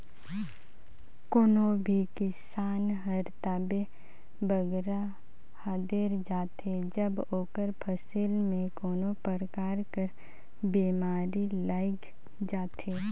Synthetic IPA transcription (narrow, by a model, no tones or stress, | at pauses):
koːnobʱikɪsaːnɦəɾt̪aːbe | bəɡɾa | haːd̪eɾd͡ʒaːt̪e | d͡ʒəboːkəɾpʰəsilmẽkoːnopəɾkaːɾkəɾ | biːmaːɾilaːɪk | d͡ʒaːt̪ʰeː